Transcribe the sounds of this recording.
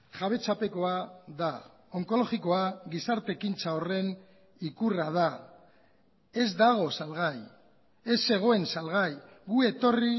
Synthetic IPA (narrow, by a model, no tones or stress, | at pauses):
ʝaβ̞e̞t͡sape̞ko̞aða | o̞ŋko̞lo̞ɣiko̞aɣisaɾt̪e̞kint͡sao̞re̞n | ikurað̞a | e̞zd̪aɣ̞o̞salɣaj | e̞se̞ɣ̞o̞e̞nsalɣaj | ɣue̞t̪o̞ri